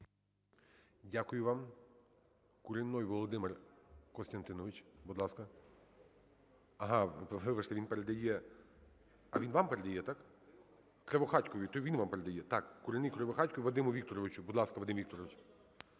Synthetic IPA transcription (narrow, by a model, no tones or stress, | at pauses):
dʲakʊjʊʋɑm | kʊɾɪnːɔjʋɔlˠɔd̪ɪmerkɔst̪ɐnt̪ɪnɔʋɪt͡ʃbud̪lˠɑskɐ | ɐɦɑʋɪpɐʃt̪ɛʋʲinpeɾed̪ɐjɛ | ɐ̰ʋinʋɑmpeɾed̪ɐjɛt̪ɑk | kɾeʋɔxɑtʲkɔʋʲit̪ɔʋinʋɑmpeɾed̪ɐjɛt̪ɑkːʊɾenɪjkɾeʋɔxɑtʲkɔʋiʋɐd̪ɪmʊʋʲikt̪ɔɾɔʋɪt͡ʃʊbud̪lˠɑskɐʋɐd̪ɪmʋʲik̚t̪ɔɾɔʋɪt͡ʃ